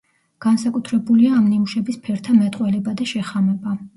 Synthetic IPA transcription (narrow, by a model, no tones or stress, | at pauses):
ɡ̥ansakʼut̪ʰɾɛbuliaːmnimuʃɛbispʰɛɾt̪ʰamɛt̪ʼqʼwɛlɛbad̪aʃɛχamɛba